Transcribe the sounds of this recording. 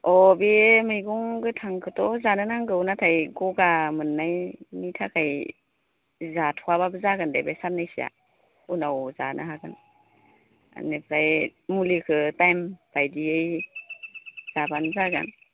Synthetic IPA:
ɔbemɯjɡuŋɡɯtʰaŋkʰɯtɔzanɯnaŋɡɯwnatʰajɡɔɡamɯnːajnitʰakʰaj | zatʰɔwaβabəzaɡandebesannajsija̰ | unawzanʔa̰ɦaɡan | a̰nepʰɾajmulikʰɯtajmb̥ajdiej | z̥abanzaɡa̰n

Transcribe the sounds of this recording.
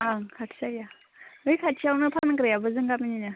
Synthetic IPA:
akʰatʰsaja | ɯjkʰatt͡ʃʰiawnɯpʰankɾajabɯzɯŋɡap̚ininɯ

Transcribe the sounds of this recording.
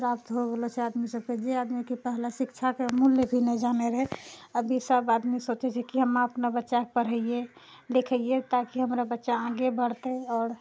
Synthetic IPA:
pɾapt̪ɦoɡelot͡ʃʰɛad̪misəbked͡ʒead̪mikipəɦlasikt͡ʃʰakemuljebʱinɛd͡ʒaneɾəɦeəbʱisəbad̪misot͡ʃɛt͡ʃʰɛkiɦəmaəpnabətːʃakpəɾ̤əije | lekʰəjet̪akiɦəmɾabətːʃaãɡebəɽt̪eɔːɾ

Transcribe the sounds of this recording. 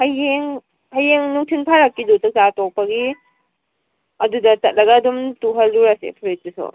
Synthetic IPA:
hajeŋ | hajeŋnuŋtʰinpʰaɾakːidotak̚zatɔk̚pɐɡi | ɐdudɐtɐt̚lɐɡadumtuɦɐlːuɾasḛpʰuɾit̚isɔ̰

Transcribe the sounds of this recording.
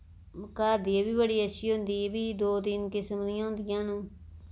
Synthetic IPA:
məkaːd̪iebiːbəɽiːəʃiːɦʊ̃nd̪iːbiːd̪oːd̪ɪnkɪsəmliɦʊ̃nd̪ɪjãːnũː

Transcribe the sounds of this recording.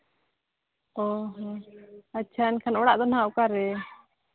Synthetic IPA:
ɔɦɔatːt͡ʃʰaɛnkʰanɔɽaʔd̪ɔnɦaukaɾɛ

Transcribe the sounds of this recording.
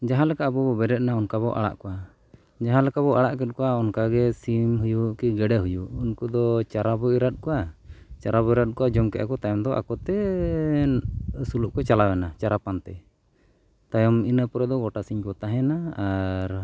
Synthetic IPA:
d͡ʒaɦãlɛkaʔbɔbɔbɛɾɛt̪̚naɔnkaβɔʔa̰ɽa̰ʔkɔʔa | d͡ʒaɦãlɛkabɔʔaɽaʔkɛt̪̚ˀkɔaɔnkaɡɛsimɦujukiɡɛɖɛɦujuʔunkud̪ɔt͡ʃaɾabɔiɾat̪̚kɔat͡ʃaɾabɔiɾat̪̚ˀkɔad͡ʒɔmkɛʔa̰kɔt̪ajɔmd̪ɔʔa̰kɔt̪ɛ | suluʔkɔt͡ʃalawɛnat͡ʃaɾapant̪ɛ | t̪ajɔminəpɔɾɛd̪ɔɡɔʈasiɲkɔt̪aɦɛnaaɾ

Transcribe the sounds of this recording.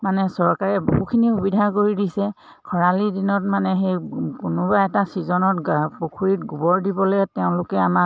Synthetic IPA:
manɛsɔɹkaɹɛbuɡukʰiniubidʱak̬oɹidisɛ | kʰɔɹalidinɔtmanɛɦejkʊnʊbaɛtasizɔnɔtɡbukʰuɹitɡubɔɹdibɔlojtɛʊ̃lʊkɛama

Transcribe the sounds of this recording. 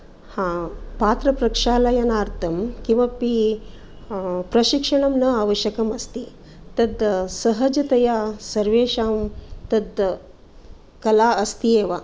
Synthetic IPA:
hãːpaːt̪ɾɐpɾɐkʂaːlɐjɐnaːɾt̪ʰɐmkĩw̃ʋapi | pɾɐʃikʂɐɳɐmnɐaːʋɐʃjɐkɐmɐst̪i | t̪ɐd̪sɐɦɐd͡ʒɐt̪ɐjaːsɐɾʋeːʂaːmt̪ɐd̪ | kɐlaːɐst̪ieːʋaː

